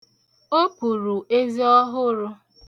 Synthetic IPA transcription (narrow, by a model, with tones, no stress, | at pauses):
o˦ku˨ɾu˨ʔe˦zi˦ɔ˦ɦʊ˦ɾʊ˦